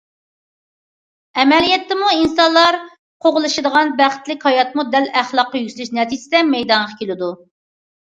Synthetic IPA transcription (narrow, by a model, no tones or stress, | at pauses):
ɛmɛlijɛt̪ʰːɪmuinsɑnlˠɑɾ | qʰoʁlˠɨʃɨd̪əʁɑnbæχɪ̥t̪lɪkʲhɑjɑt̪mud̪ɛlæχlˠɑqːɑjyslɪʃnɛt̪ʰid͡ʒ̪ɪd̪ɛmɛjd̪ɑnʁɑkʲʰelɪd̪u